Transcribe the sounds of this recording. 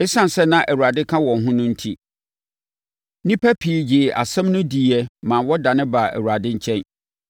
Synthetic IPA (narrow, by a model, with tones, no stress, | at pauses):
ɪ˦sã˦n˨sɛ˦nã˦ʔæ˨wu˨ɾa˨dɪ˦kʰã˦wɔ̃˨nɦʊ̃˦nʊ̃˦n̩˦tʰi˦ | nĩ˦pʰæ˦pʰi˨˦d͡ʑɪː˨ʔa̰˨sɛ̃˦mnʊ̃˦di˨ɛ˦mã˨wɔ˦dã˨nɪ̃˦ba˨ʔæ̰˨wu˨ɾa˨dɪ˦ɲ̩˦t͡ɕʰɛ̃˦n